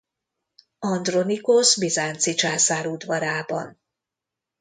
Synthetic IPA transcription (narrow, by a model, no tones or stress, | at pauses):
ɒnd̪ro̞nikosbizaːnt̪sit͡ʃaːsaːɾud̪vɒɾaːbɒ̰n